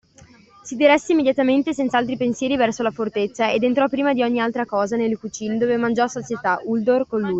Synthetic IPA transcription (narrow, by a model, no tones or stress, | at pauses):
sid̪iɾɛsːeimːedjat̪ament̪esɛnt̪saalt̪ɾipensjɛːɾivɛrsolafort̪et̪sːaḛd̪ent̪ɾɔpːɾiːmad̪iɔɲːialt̪ɾakɔːzanelkut͡ʃiːnd̪oːvemand͡ʒɔsot͡ʃjet̪aʔuld̪orkonluj